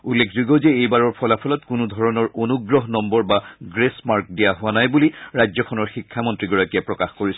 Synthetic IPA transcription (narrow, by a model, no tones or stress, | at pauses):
ulːekʰzuɡɔzeejbaɹɔɹpʰɔlapʰɔlɔtkʊnud̪ʱɔɹɔnɔɹonuɡɹɔɦnɔmbɔɹbaɡɹesmaɹk̚dijaɦʊwanajbuliɹajzɔkʰɔnɔɹxikʰːamɔntɹiɡɔɹakiɛpɹɔkaxkoɹisɔ